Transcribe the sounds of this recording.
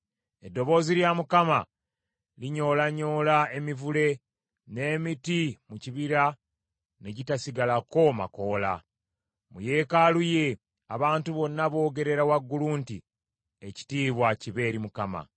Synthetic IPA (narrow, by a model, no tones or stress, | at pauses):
e̞dːo̞βo̞ːziljamukama | liɲo̞ːlaɲo̞ːlae̞mivule̞ | ne̞ːmitimuciβiɾa | ne̞ɟitasiɡalako̞ma̰ko̞ːla̰ | muje̞kaluje̞ | aβaːntuβo̞nːaβo̞ːɡe̞ɾe̞ɾawaɡːuluːntḭ | e̞ci̥tiːβwaciβe̞ːɾimukama̰